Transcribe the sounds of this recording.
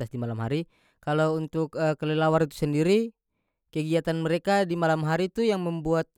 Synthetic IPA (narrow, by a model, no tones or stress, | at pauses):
asdimalamɦaɾi | kalawunt̪ukəkːəlɛlawaɾit̪u̥səndiɾi | kəɡiat̪anməɾekadimalamɦaɾit̪ujaŋməmbuat̪̚